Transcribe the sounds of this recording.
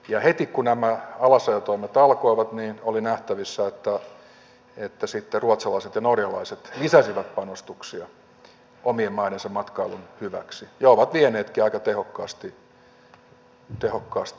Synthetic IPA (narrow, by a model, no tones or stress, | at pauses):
jɑhet̪ikkunæmæɑlɑsɑjɑt̪oimet̪ɑlkoiʋɑt̪niːnolinæht̪æʋisːæet̪ːæ | et̪ːæsit̪ːeruot̪sɑlɑiset̪jɑnorjɑlɑiset̪lisæsiʋæt̪pɑnost̪uksiɑ | omiemmɑiɾensemɑt̪kɑilunhyʋæ̰ksijɑoʋɑt̪ʋieneːt̪kiɑikɑt̪ehokːɑːst̪i | t̪ehokːɑːst̪i